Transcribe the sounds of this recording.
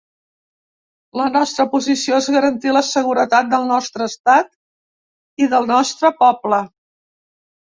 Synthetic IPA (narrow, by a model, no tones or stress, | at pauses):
lənɔst̪ɾəpuzisioezɣəɾənt̪iləsəɣ̞uɾət̪at̪̚d̪əlˠnɔst̪ɾəːst̪at̪ | iðəlˠnɔst̪ɾəpɔblə